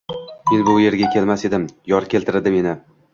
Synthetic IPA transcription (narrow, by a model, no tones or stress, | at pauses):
ɪlbʊʊje̞ɾɡʲakʲʰe̞lmase̞d̪ɪmjɒɾkʲe̞lʲt̪ʰɪɾɪd̪ɪme̞nɪ